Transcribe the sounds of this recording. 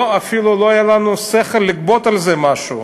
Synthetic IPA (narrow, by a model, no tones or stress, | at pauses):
afiluloajalanusɛχelːɪkbot̪alzɛmaʃṵ